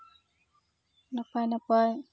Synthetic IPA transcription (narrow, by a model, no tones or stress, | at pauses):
napajnapaj